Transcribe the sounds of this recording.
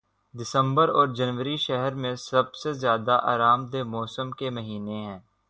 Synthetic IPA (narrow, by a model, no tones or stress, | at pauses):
d̪ɪsə̃mbəɾɔːɾd͡ʒɐnʋəɾiʃɛɦɛɾmẽsɐb̚sezjaːd̪aʔa̰ːɾaːmd̪emɔːsəmkemɐɦiːneɦɛ̃ː